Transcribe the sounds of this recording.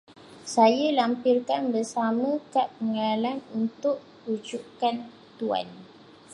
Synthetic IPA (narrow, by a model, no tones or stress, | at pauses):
sajalampirkanbərsamə̃kaʔəŋalanunt̪ʊʔ | ud͡ʒukan | t̪ua̰n